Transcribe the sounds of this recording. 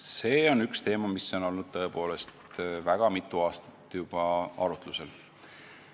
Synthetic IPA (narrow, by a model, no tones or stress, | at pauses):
se̞ːo̞nykst̪e̞ːmɑmisːo̞no̞lnud̪̥̚t̪ɤe̞po̞ːle̞st̪væɡ̥ɑmit̪ːˑuɑːst̪ɑ̥t̪ːˑjub̥ɑɑɾut̪ˑluse̞l